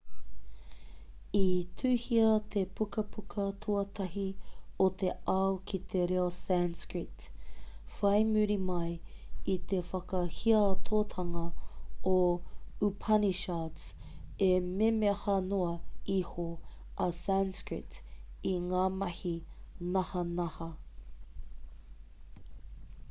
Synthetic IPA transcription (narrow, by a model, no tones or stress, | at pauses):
itʰʉːhiɐt̪ʰepʰukɐpʰukʰɐt̪ʰuɐt̪ʰɐhiot̪e̞ɐwkʰit̪ʰeɾeosænskɹit | fɐjmʉɾimɐjit̪efɐkɐhiɐt̪ʰot̪ʰɐŋɐoupʰɐniʃats | ememehɐnoɐiho | ʔɐsɛnskɹɪ̰t | iŋaːmɐhi | nɐhɐnɐhɐ